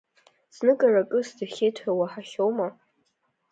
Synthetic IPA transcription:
snɨkʼarakʼɨsdɨχʲejtʰawaħaχʲowma

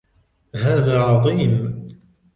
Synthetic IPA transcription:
ɦaːðaːʕɑðˤiːm

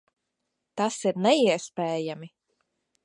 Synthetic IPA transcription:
t̪asiɾnɛiɛspeːjami

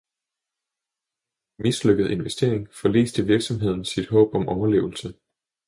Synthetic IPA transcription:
misløɡ̥əð̩ˠe̝nʋesd̥e̝ɐe̝ŋfɒ̽lḛːsd̥əʋiɐɡ̥sɒ̽mɦe̝ð̞̰ˠn̩sid̥ɦɔ̰̽ːb̥ɒ̽mʔɒʊɐle̝̰ːʊl̩sə

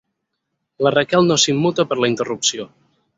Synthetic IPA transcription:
lərəkɛlˠnosimːut̪əpəɾləint̪ərupsio

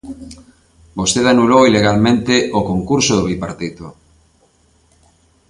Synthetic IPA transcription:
bost̪eðanulowileɣalmẽnt̪eʔokoŋkuɾsoðoβipaɾt̪it̪o

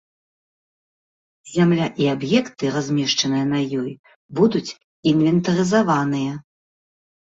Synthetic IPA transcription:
zʲamlʲaʔiabjɛkt̪ɨɾazʲmʲɛʂt͡ʂɐnɨjɐnɐjɔj | bud̪ut͡sʲ | invʲɛnt̪ɐɾɨzavanɨjɐ

